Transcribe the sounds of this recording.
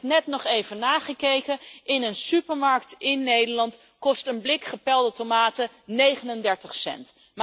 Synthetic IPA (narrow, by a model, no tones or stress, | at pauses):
nɛtnɔχejvənaːχəkejkənʔɪnənsypəɹmɑɹktɪnːejdəɹlɑnt | kɔstənblɪkχəpɛlˠdətomaːtə | nejχənəndɛɹtəχsɛ̰nt | m